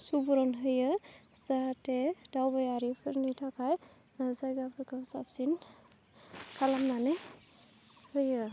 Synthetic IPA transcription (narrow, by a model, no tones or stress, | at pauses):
subɔɾɔnɦɯjɯ | z̥ated̥awbajaɾipʰɯɾnitʰakʰaj | zajɡapʰɯɾkʰasa̰psin | kʰalamnanɯ | hɯjɯ